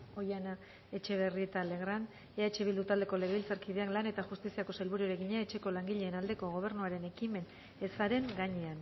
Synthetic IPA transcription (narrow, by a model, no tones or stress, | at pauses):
o̞jana | e̞t͡ʃe̞βe̞riet̪ale̞ɣɾan | eat͡ʃe̞βild̪ut̪ald̪e̞ko̞le̞ɣeβilt͡saɾkið̞e̞aklane̞t̪axust̪isiako̞selβuɾioɾe̞ɣiɲaet͡ʃe̞ko̞laŋɡiʎe̞ːnald̪e̞ko̞ɣ̞o̞β̞e̞ɾnuaɾe̞ne̞kime̞n | e̞saɾe̞ŋɡaɲe̞an